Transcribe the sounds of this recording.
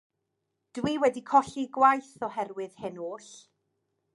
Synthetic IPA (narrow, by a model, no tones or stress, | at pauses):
d̥wiːwɛdikʰɔɬiɡwajθɔhɛrwɨð̥hɪnoːɬ